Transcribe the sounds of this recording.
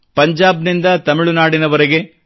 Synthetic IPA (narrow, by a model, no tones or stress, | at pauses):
pɐɲd͡ʒaːbnind̪ɐt̪ɐmiɭunaːɽinɐʋɐɾeɡe̞